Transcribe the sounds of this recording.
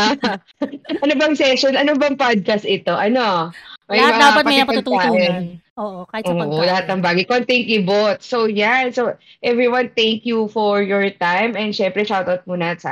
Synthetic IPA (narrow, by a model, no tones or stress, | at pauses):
ʔɐnobɐŋsɛʃonʔɐnobɐŋpad̪̚kɐst̪̚ʔɪt̪o̞ʔɐno̞mɐjbɐd̪apɐt̪pɐmɐɐɐɡ̚t̪uːaʔɛnoːʔkaʔoːʔolɐhat̪̚nɐŋbaːɡɐjkoʔɐŋt̪ɛŋkɪbot̪̚sowjansowʔɛvɹiwant̪ɛŋkjufɔɹjɔɹt̪ajmɛnd̪ʃɛmpɾɛʃawt̪awt̪̚munɐt̪sɐ̰